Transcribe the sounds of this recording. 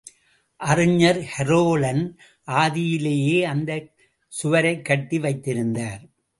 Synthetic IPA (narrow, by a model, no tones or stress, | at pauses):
ʔɐrɯɲːɐɾhɛɾoːlɐn | ʔaːðɪjɪleːjeːɐnd̪ɐ | sʊʋɐɾɐɪkːɐʈːiʋɐɪt̪ːɪɾɯnd̪aːɾ